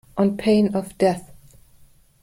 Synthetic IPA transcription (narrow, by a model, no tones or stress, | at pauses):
ʔə̃npʰẽɪ̃nʌvd̥ɛθ